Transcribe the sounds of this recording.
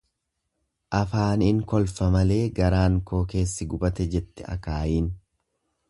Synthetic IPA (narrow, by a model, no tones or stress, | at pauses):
ʔɐfaːnɪŋkɔlfɐmɐle̞ːɡɐɾaːŋko̞ːke̞ːsːɪɡʊbɐt̪ɛd͡ʒɛt̪ːɛɐ̰kaːjiːn